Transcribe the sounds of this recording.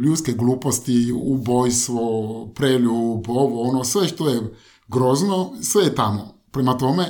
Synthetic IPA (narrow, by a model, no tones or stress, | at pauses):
ʎʲuːt̪skeɡlˠuːpost̪iubojst̪ʋopɾeluboʋoonosʋeʃt̪oje | ɡɾoznosʋejet̪amo̰pɾemat̪o̞me